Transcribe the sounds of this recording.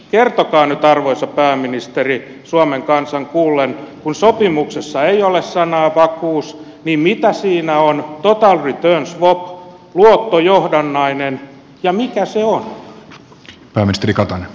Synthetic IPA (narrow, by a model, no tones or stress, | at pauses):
kert̪okɑːnyt̪ɑrʋoisɑpæːmːinist̪eri | suɑmeŋkɑnsɑŋkuːlːenkunsopimuksesːɑeiolessɑnɑːpɑkuːs | niːmmit̪æsiːnæont̪ot̪ɑlrit̪øːnsʋop | luot̪ːojohdɑnːɑinen | jɑmikæseon | pæːminist̪erikɑt̪ɑne